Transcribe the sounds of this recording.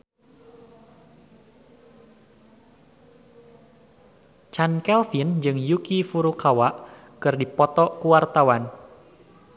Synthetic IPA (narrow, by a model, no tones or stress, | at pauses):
t͡ʃankɛlfind͡ʒɨŋjukifuɾukawaʔ | kɨrdipɔt̪ɔkuwart̪awan